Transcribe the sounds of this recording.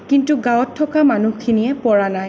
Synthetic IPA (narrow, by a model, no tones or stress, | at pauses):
kintuɡawɔtʰːɔkamanukʰinijɛpɔɹanaj